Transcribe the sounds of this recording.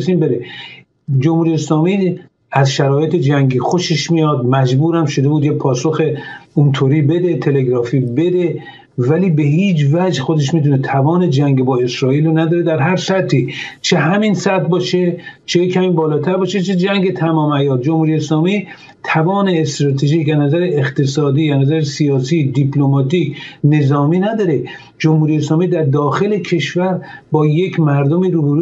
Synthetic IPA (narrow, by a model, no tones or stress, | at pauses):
siːmbeɾe | d͡ʒomhuːɾijeslɒːmiː | æzʃæɾɒːjet̪ʰed͡ʒæŋɡiːxo̞ʃeʃmijɒːd̪̚mæd͡ʒbuːɾæmʃod̪e̞buːd̪jepʰɒːsoxeunt̪ʰoːɾiːbe̞d̪e̞t̪ʰe̞leɡɾɒːfiːbe̞d̪e | væliːbeɦiːd͡ʒvæd͡ʒxod̪eʃ̬miːt̪unet̪ʰævɒːne̞d͡ʒæŋɡebɒːe̞sɾɒːiːlonæd̪ɒːɾed̪æɾɦæɾsæt̪ʰːit͡ʃʰeɦæminsæt̪̚bɒːʃet͡ʃʰejekʰæmiːbɒːlɒːt̪ʰæɾbɒːʃet͡ʃʰed͡ʒæŋɡet̪ʰæmɒːmæjɒːt̪̚d͡ʒomhuːɾijeeːslɒːmiː | t̪ʰævɒːneːst̪ɾɒːt̪ʰeʒiːkæznæzæɾeeqt̪esɒːd̪iːæznæzæɾesiɒːsiːd̪ipʰlomɒːt̪ʰiːkne̞zɒːmiːnæd̪ɒːɾe | d͡ʒomhuːɾijeːs̬lɒːmiːd̪æɾd̪ɒːxelekʰe̞ʃvæɾbɒːje̞kʰmæɾd̪omiːɾubeɾu